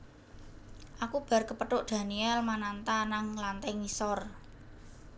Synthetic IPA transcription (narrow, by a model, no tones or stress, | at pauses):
ʔakub̥a̤rkəpəʈʊʔd̪̥ä̤niɛlmanant̪anaŋlant̪ɛŋisɔr